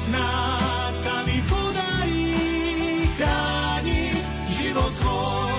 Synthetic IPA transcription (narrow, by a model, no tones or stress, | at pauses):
na | samipɔd̪aɾi | kɾa | ni | ʒivɔt̪ɔ